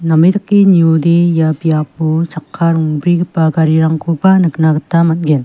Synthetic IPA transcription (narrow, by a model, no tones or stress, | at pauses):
namidakːiniudejabijaput͡ʃakʰːaɾuŋbɾiɡɯpaɡaɾiɾaŋkʰubanɯknaɡətamat̚ɡen